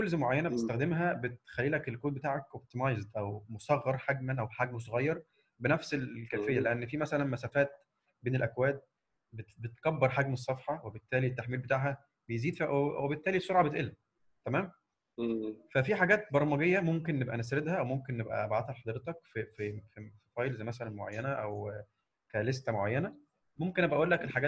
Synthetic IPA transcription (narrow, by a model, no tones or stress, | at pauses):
kolzmoʕajːænæbet̪est̪æxd̪emɦæbet̪xælːiːlækelkoːd̪̚bet̪aːʕækʔob̚t̪imɑjzd̪ʔæwmosɑɣːɑɾˤħaɡmænʔæwħaɡmosˤoɣɑjːɑɾˤ | benæfselkæːfejːæleʔænːfimæsælænmæsæfæːt̪̚ | beːnelʔækwæːd̪̚ | bebet̪kæbːɑɾˤħaɡmes̬ˤːɑfħɑwebet̪ːæːliet̪ːaħmiːlbet̪aːʕɦæ | bejziːd̪fiwebet̪ːæːlisːoɾʕɑbet̪ʔelːæ | t̪æmæːm | fæfiħaɡæːt̪̚bɑɾˤmɑɡejːæmomkenːebʔænæsɾed̪hæʔæwmomkenːebʔæ̰ʔæbʕat̪hælħɑd̪ɾet̪ɑkfifisfɑːjlzæjmæsælænmoʕa̰jːænæʔæw | kælest̪æmoʕajːænæ | momkenʔæbʔæʔuːlːækelħaɡæː